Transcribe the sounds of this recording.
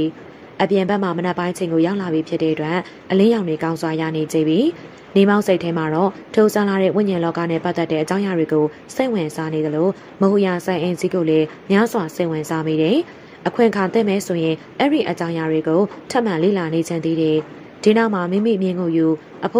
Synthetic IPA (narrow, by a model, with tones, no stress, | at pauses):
ʔə˨pjɪ̃˨mbɛ˦ʔm̥a˨mə˨nɛ˦˨pːã˦ɪ̃ʔət͡ɕʰẽ˨ŋɡo˨ja˦ʊʔla˨bi˨pʰjɪ˦tːɛ̰˦ʔətwɛ˦˨ | ʔəlɪ̃˦jã˨ʊ̃nwe˨kã˦nzwa˨ja̰˦˨ne˨d͡ʑẽ˦˨mbi˨ | ne˦˨ma˦ʊʔse˦ɪʔtʰːɛ˦ma˨ɹɔ˦˨ | tʰo˦˨sa˦la˦ɾɛ̰˦˨wɪ̰̃˦˨ɲɪ̃˨lɔ˦ka̰˦˨nɛ̰˦˨pa˦t̪ɛ˦tːɛ̰˦ʔə˨t͡ɕã˦ʊ̃ja˨ɹwe˨ɡo˨ | se˦ɪʔwɪ̃˨nza˦ne˨d̪ə˨lo˨ | mo˨hu˨ja˨sã˨ʔẽ˨nsi˦ɡo˨lɛ˦mja˦zwa˨se˦ɪʔwɪ̃˨nza˦mi˦˨ɾɛ˨ | ʔəkʰwɪ̃˨kʰã˨nt̪θɪ̰̃˦˨mɛ˨so˨jɪ̃˨ | ʔɛ˦ɹḭ˦˨ʔə˨t͡ɕã˦ʊ̃ja˨ɹe˨ɡo˨tʰã˦ʔm̥ã˨lḛ˦˨la˨ne˨d͡ʑɪ̃˨nd̪i˦ɾɛ˨ | d̥i˨na˦ʊʔm̥a˨mḭ̃˦˨mḭ˦˨mjɪ̃˦˨ŋɡo˨ju˨ | ʔəpʰ